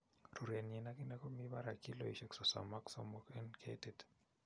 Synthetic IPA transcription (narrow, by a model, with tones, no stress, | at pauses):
ru˨ɾe˨nɛ˨na˦ki˦nɛ˦kɔ˦mi˦ba˦ɾa˨ki˦lo̰˨i˨ʃɛ˨ksɔ˨sa̰˨ma˦ksɔ̰˨mɔkɛ˦nkʰḛted